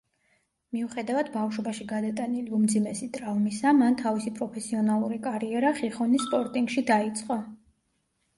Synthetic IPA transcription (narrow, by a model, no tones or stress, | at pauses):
miuχɛd̪avad̪bavʃwɔbaʃiɡad̪at̪ʼaniliumd̪zimɛsit̪ʼɾavmisamant̪ʰavisipʼɾɔpʰɛsiɔnalˠuɾikʼaɾiɛɾaχiχɔnisːpʼɔɾt̪ʼiŋɡʃid̪ait̪sʼqʼɔ